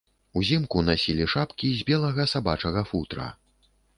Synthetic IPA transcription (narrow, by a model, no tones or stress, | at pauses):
uzʲimkunasʲilʲiʂapkʲizʲbʲɛlˠɐɣɐsabat͡ʂɐɣɐfut̪ɾɐ̰